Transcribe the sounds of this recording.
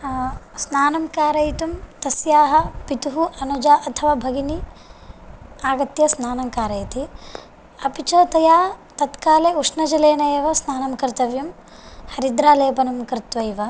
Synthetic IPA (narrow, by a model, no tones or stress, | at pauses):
snaːnɐmkaːɾɐjt̪umt̪ɐsjaːɦɐpit̪uɦuʔɐnud͡ʒaːʔɐt̪ʰɐʋaːbʱɐɡini | aːɡɐt̪jɐsnaːnɐmkaːɾɐjɐt̪i | ɐpit͡ʃɐt̪ɐjaːt̪ɐt̪kaːleːuʂnɐd͡ʒɐleːnɐjeːʋɐsnaːnɐmkɾt̪ɐʋjɐm | hɐɾid̪ɾaːleːɐpɐnɐmkɾɪt̪ʋɐjʋɐ